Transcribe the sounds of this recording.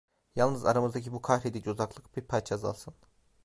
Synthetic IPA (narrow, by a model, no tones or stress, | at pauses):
jalˠnɯza̰ɾamɯzd̪acʰibukʰahɾed̪id͡ʒozaklˠɯk̚biɾpʰat͡ʃʰaza̰lˠsʰɯn